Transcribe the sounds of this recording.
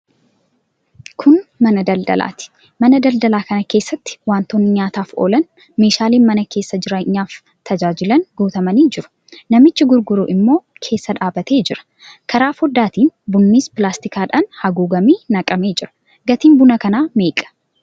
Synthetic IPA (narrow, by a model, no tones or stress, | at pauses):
kʰʊnmɐnɐd̪ɐld̪ɐ̰lʔa̰ːt̪ɪ̥ | mɐnɐd̪ɐld̪ɐlaːkɐnɐke̞ːsːɐt̪ːɪ̥waːnt̪ɔnːɪɲaːt̪aːfʔo̞̰ːlɐn | me̞ːʃaːliːnmɐnɐke̞ːsːɐd͡ʒɪɾɐɲːaːf | t̪ʰɐd͡ʒaːd͡ʒɪlɐnɡuːt̪ɐmɐniːd͡ʒɪɾʊ̥ | nɐmɪt͡ʃːɪɡʊɾɡʊɾuːʔɪmːo̞ːkʰe̞ːsːɐᶑaːbɐt̪e̞ːd͡ʒɪɾɐ̥ | kʰɐɾaːfhɔd̪ːaːt̪iːnbʊnːiːspɪlaːst̪ɪkaːᶑaːnhɐɡuːɡɐmiːnɐkʼɐme̞ːd͡ʒɪɾɐ̥ | ɡɐt̪iːmbʊnɐkɐnaːme̞ːkʼɐ̥